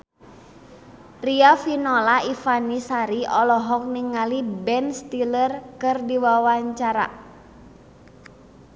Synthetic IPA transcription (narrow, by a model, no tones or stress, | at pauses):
riafinɔlaifanisaɾiɔlɔɦɔk̚niŋalibɛnst̪ilərkɨrdiwawaɲt͡ʃaɾa̰